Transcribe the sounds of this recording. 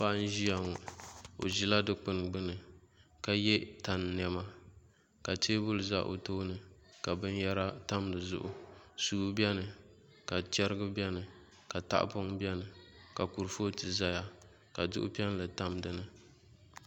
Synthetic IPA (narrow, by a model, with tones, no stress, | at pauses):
pa˦ʔn̩˦ʒi˦ja˨ŋɔ˨o̰˨ʒi˦la˦dɨ˦k͡pɨ˦n˨ɡ͡bɨ˦nɨ˨ka˦jɛ˦ta˨n˨n˨ɛ˨ma˦ | ka˨tʰeː˦bʊ˦lɨ˨za̰˦ʔo̰˨toː˦nɨ˨ka˨bɨ˦n˦ja˦ɾa˦ta˦mdɨ˨zʊ̰˦ʔʊ˨suː˨˦bɛ˦nɨ˨ | ka˨tɛ˦ɾɨ˦ɡɨ˦bɛ˦nɨ˨ | ka˨ta̰˦ʔpʊ˦ŋbɛ˦nɨ˨ka˨ku˨ɾfo˦tɨ˨za˦ja˦ | ka˨dʊ̰˦ʔʊ̰˦pɛ˦n˦lɨ˨ta˦mdɨ˨nɨ˦